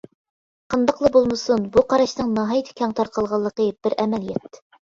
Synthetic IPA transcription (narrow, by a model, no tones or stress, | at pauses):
qɤnd̪ɑqlˠɤbulˠmɤsunbuqɑɾɑʃnɨŋnɑɦɑjt̪ʰɪ̥kʲʰɑŋt̪ʰɑɾqɑlˠʁɑlˠːəqəb̥ɪɾæmæljɛt̪ːɪ̥